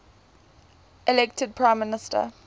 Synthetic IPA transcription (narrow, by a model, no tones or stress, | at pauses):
ʔɛlɛktʰəd̚pʰɹãɪ̃mːɪnɪstʰə̰